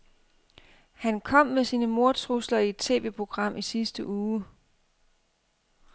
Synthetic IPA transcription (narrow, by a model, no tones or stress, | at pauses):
hænkʰɒ̽m̰mesiːnəmo̝ɐt͡sʰʁuslɐied̥t͡sʰe̝̰ːʋe̝pʰo̝ɡ̥ʁɑ̈m̰ʔisisd̥əʔuː